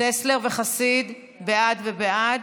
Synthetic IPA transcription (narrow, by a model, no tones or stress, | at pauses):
esle̞ʁve̞χasid̪ | bead̪ve̞bead